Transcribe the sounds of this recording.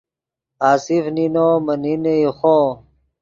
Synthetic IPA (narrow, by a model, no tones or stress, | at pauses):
aːsifninoːmɐnineixo